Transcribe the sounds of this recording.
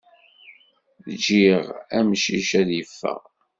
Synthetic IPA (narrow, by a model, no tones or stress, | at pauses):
ðd͡ʒiʁæmʃiʃæðjəfːə̰ʁ